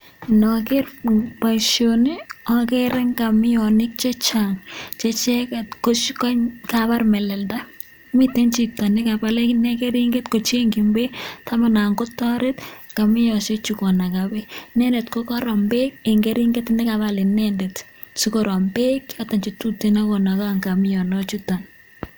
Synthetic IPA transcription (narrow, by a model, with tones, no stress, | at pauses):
nɔ˨kɪ˦rpa˨ʃjoniɔ˨ke˦ɾɛ˦ŋka˨mɪ˦jɔnɪ˦k̚t͡ʃe˦t͡ʃaŋt͡ʃe˦t͡ʃɛkɛ˨tkoʃkɔ˦kaba˦rmɛ˨lɛ˨lda˦ | mi˦te˦nt͡ʃi˨ta˨nɪ˦ka˨ba˨le˦ne˦ke˦ɾi˦ŋɡe˦tko˨t͡ʃe˦ŋɡi˨mbe˦tʰa˦ma˨na˨ŋɡo˦tɔ˦ɾe˦t | ka˨mɪ˦jɔʃe˦t͡ʃukɔ˨na˨kabe˦nɛ˦nde˨tko˦kɔ˦ɾɔ˨mbe˦k̚e˨ŋɡe˦ɾi˦ŋɡe˦tnɛ˦ka˨balɪ˨nɛ˦ndet | su˦kɔ˨ɾɔ˨mbe˦kjata˨nt͡ʃi˨tu˦tena˦ko˨na˨ka˦ŋka˨mɪ˦jɔ˨nɔt͡ʃu˦ta˨n